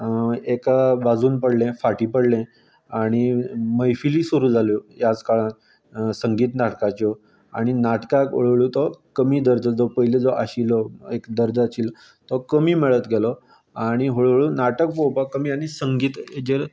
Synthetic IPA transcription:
ekʋad͡zuːnpəɽlẽfaʈipəɽlẽ | aɽ̃iməjfiliːsuɾuːd͡zʱalɔjad͡zkaɭãt̪ | səŋɡiːt̪naʈkat͡ɕɔ | a̰ɽ̃inaʈkako̰ɭɭut̪ɔkəmiːd̪əɾd͡zəd͡zɔpəɦiled͡zɔʔaɕilɔekd̪əɾd͡zat͡ɕiːl | t̪ɔkəmiːmɛɭət̪ɡʱɛlɔ | aɽ̃iɦoɭɭunaʈək̚powpakːəmiːaɽ̃isəŋɡiːt̪ed͡ʑeɾ

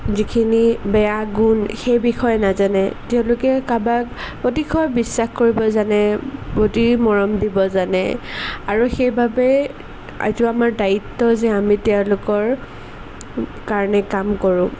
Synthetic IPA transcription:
zikʰinibɛjaɡunxejbixɔjnazanɛtɛʊ̃lʊkɛkabakpotixʰɔjbisːaxkoɹibɔzanɛpotimɔɹɔmdibɔzanɛ̰aɹuxejbʱabɛ | a̰zʊamaɹdaitːɔzɛamitɛʊ̃lʊkɔɹ | kaɹɔnɛkamkɔɹʊ̃

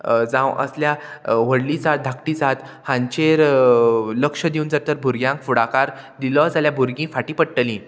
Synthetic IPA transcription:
d͡zãwə̰sljaʋəɽlid͡zat̪̚d̪ʱakʈiːd͡zat̪ | hãɲt͡ɕeɾ | ləkʂəd̪iund͡zaɾt̪əɾbʱuɾɡjãŋkfuɽakaɾd̪iləd͡zaljabʱuɾɡĩːfaʈĩːpəɽʈəlĩ

